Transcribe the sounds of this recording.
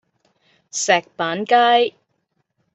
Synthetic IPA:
sɛː˨k̚paː˨˥nkaː˥j

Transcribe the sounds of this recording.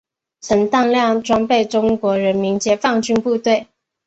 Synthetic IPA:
t͡sʰə˧˥nt̪ɑ˥˧ŋljɑ˥˨ŋʈ͡ʂwɑ˥ŋpe˥˩ɪʈ͡ʂʊ˥ŋkwɔ˧˥ɻə˧˥nmi˧˥nt͡ɕjɛ˧˥fɑ˥˧ŋt͡ɕy˥˧npu˥˧t̪we˥˩ɪ

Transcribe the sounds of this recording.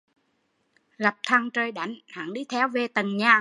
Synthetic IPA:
ɣa˨˩p̚t̪ʰa˧ŋt͡ɕəː˧jɗa̰˧˩jŋha̰ː˧˩˨ŋɗi˧˦t̪ʰɛ˧wve˧t̪ə˨˩nɲaː˨˩

